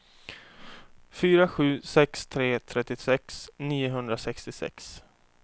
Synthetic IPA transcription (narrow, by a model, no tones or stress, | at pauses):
fyːɾaɧʉ̟ːsɛkst̪ʰɾeːt̪ʰɾɛt̪ːɪsɛksniːʊɦɵnd̪ɾasɛkst̪ɪsɛ̰ks